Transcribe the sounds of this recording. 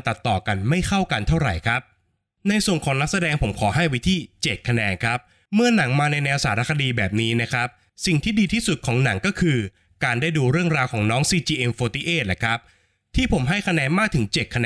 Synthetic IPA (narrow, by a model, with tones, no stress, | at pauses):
nt̪a˨˩t̪ːɔː˨˩ka˧nma˥˩jkʰa˥˩wka˧nt̪ʰa˥˩wɾa̰˨˩jkʰɾa˦˥p̚ | na˧jsu˨˩ənkʰɔː˩˦ŋna˦˥k̚sa˧dɛː˧ŋpʰo˩˦mkʰɔː˩˦ɦa˥˩jwi˦˥t̪ʰiː˥˩t͡ɕe˨˩t̪̚kʰːa˧nɛː˧nkʰɾa˦˥p̚ | mɯ˥˩ɐna˩˦ŋmaː˧na˧jnɛː˧wsaː˩˦ɾa˦˥kʰa˧diː˧bɛː˨˩p̚niː˦˥na˦˥kʰɾa˦˥p̚ | si˨˩ŋt̪ʰiː˥˩diː˧t̪ʰiː˥˩su˨˩t̪̚kʰɔː˩˦ŋna˩˦ŋkɔː˥˩kʰɯː˧ | kaː˧ndaː˥˩jduː˧ɾɯ˥˩əŋɾaː˧wkʰɔː˩˦ŋnɔː˦˥ŋsiː˧t͡ɕiː˧ʔe˧mfoː˧t̪iː˦˥ʔeː˥˩t̪̚la̰˨˩kʰɾa˦˥p̚ | t̪ʰiː˥˩pʰo˩˦mɦa˥˩jkʰa˧nɛː˧nmaː˥˩k̚t̪ʰɯ˩˦ŋt͡ɕe˨˩kʰa˧nɛ˧